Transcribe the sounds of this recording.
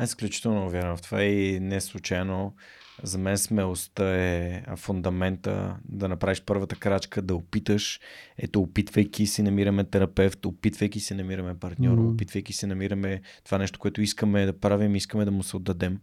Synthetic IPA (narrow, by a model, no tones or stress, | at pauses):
ɛsklʲut͡ʃi̥t̪ɛlˠnovʲjaɾnoft̪ovainɛslˠut͡ʃajno | zɐmɛnsmɛlˠost̪əɛfʊnd̪ɐmɛnt̪ə̰d̪ɐnɐpɾaviʃpɤɾvət̪əkɾat͡ʃkəd̪ɐopit̪əʃɛ̰t̪oːpit̪vəjkʲisinɐmiɾəmɛt̪ɛɾɐpɛft̪opit̪vəjkisinɐmiɾɐmɛpɐɾt̪nʲɔɾopit̪vəjkisɛnɐmiɾəmɛt̪ovanɛʃt̪o̥koɛt̪ʊiskəmɛd̪ɐpɾavimiskəmɛd̪ɐmʊsɛod̪ːɐd̪ɛm